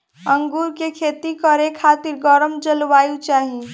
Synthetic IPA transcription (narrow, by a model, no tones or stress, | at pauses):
əŋɡuːɾkekʰeːt̪ikəɾekʰaːt̪iɾɡɔɾəmd͡ʒəlʋaːjut͡ʃaːɦi